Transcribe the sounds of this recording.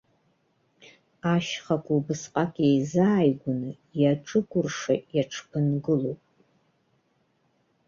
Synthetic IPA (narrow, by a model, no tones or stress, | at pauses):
aʃχakʷʼubɨsqʼakʼejzaːjɡʷʊnɨ | jaʈ͡ʂʼɨkʷʰʼʊrʂajaʈ͡ʂʰpʰɨnɡɨlowpʼ